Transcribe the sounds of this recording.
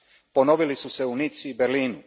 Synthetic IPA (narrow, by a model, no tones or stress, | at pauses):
po̞no̞ʋilisuseunit̪sibeɾliːnu